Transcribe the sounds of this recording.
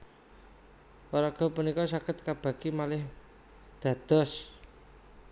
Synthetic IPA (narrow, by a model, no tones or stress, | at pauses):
waɾaɡ̥ɔ̤punikɔsakɪt̪̚kab̥ä̤kimalɪh | d̪̥ä̤d̪̥ɔ̤s